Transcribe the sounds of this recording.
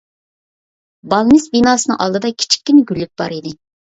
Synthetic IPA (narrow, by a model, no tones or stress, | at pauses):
bɑlˠnɪsbinɑːsɨnɨ̰ŋʔɑ̰lˠd̪ɨd̪ɑkʲʰi̥t͡ʃʰi̥kʲːinɪɡʲylːyk̚ʲb̥ɑ̰ɾid̪ɪ